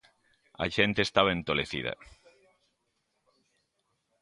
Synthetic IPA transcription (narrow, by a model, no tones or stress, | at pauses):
ɐ̰ʒent̪eːst̪aβɐent̪oleθḭðɐ̰